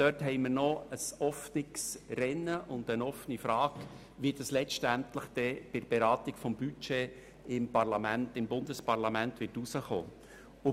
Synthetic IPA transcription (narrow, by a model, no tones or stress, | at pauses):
dœthɛɪməɾnɔəsɔfnɪksrɛnːəʔʊnd̥ənɔfənifɾɑːk | ʋiːdɑslɛt͡ʃtæntləχd̥ɛb̥ɪɾb̥eɾɑːtɪkfɔmbyt͡ʃeː | ɪmpɑɾlɑmæntɪmbʊndəspɑɾlɑmæntʋɪɾtusəχo̰ː | ʊ